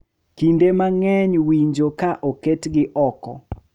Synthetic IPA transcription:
kindemaŋɛɲwiɲd͡ʒokaʔoketɡɪʔɔkɔ̰

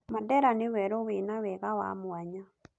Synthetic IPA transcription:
madɛɾanewɛɾowenawɛɣawa̰mwaɲa

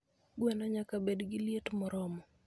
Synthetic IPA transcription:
ɡwenaɲakabedɡɪljetmɔɾɔmɔ

